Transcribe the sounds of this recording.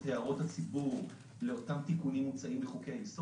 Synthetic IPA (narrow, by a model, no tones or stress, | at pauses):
teaʁo̞that͡sibuʁ | le̞o̞tamt̪ikunimːut͡saʔimleχukeajiso